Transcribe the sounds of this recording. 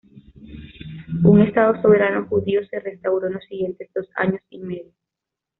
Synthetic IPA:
uŋe̞st̪aðo̞so̞β̞e̞ɾano̞xuðiose̞re̞st̪awɾo̞nlosːiɣje̞nt̪e̞zd̪o̞sa̰ɲo̞sime̞ðjo

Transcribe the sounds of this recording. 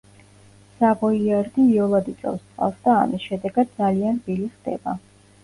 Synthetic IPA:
sabɔiaɾd̪iːɔlˠad̪it̪ʼɔ̰fst̪ʼqʼa̰fsd̪a̰ːmisʃɛd̪ɛɡad̪̚d̪zalianbiliχd̪̥ɛ̰ba

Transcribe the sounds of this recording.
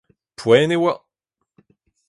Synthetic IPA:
pʰwɛnewa

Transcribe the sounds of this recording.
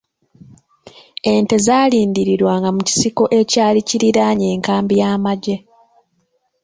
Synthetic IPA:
ente̞zaːliːndiɾiɾwaːŋɡamuci̥siko̞ʔe̞caːliciɾiɾaɲe̞ːŋkaːmbijaːmaɟe̞

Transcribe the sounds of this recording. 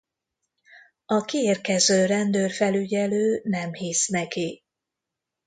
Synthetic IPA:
ɒkieːrkɛzøːrɛnd̪øːrfɛlyɟɛløːnɛmhisnɛki

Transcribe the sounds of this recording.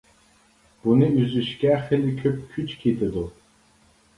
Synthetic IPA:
b̥unɨyzyʃkʲæχɛlikʲʰøp̚kʲʰyt͡ʃʰkʰit̪ʰʼɨd̪u

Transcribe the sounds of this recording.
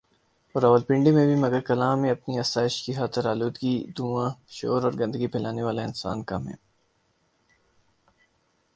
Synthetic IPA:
ɔːɾɐʋəlpɪ̃ɳɖimẽbʱimɐɡəɾkɐlãːmːẽɐpniɐsaːɪʃkixaːt̪ɪɾaːluːd̪ɡid̪uːãʃo̰ːɾɔːɾɡɐ̃nd̪əɡipʰɛːlaːneʋaːlaɪnsa̰ːnkɐmɦɛ̰̃ː

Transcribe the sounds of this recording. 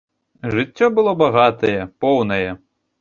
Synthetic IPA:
ʐɨt͡sʲːɔbɨlˠɔbaɣat̪ɐjɛpɔwnɐjɛ

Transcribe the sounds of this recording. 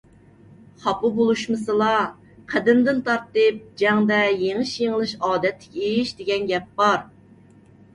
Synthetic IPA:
χɑpubolˠuʃmɨsɨlˠɑ | qʰæd̪ɪnd̪ɪnt̪ʰɑɾt̪ɨp̚d͡ʒɛŋd̪ɛjeŋɨʃjeŋəlˠɨʃɑːd̪ɛt̪ʰːɪ̥kʲʰɛejiʃd̪ɪɡʲɛnɡʲɛp̚bɑɾ

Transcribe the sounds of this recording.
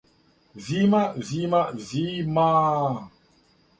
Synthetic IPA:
zimazimazima

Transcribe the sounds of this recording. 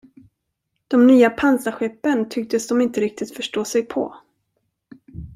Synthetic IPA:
d̪̥ɔmnyːapʰansaɧɛpːənt̪ʰʏk̚t̪əsd̪ɔmɪnt̪əɾɪk̚t̪ɪt̪fœʂʈoːsɛjpʰɔ̰

